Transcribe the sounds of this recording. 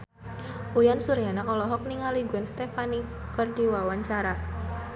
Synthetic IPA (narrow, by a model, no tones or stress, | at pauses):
ujansuɾijanaɔlɔɦɔk̚niŋaliɡuɛnst̪efani | kərdiwawaɲt͡ʃaɾa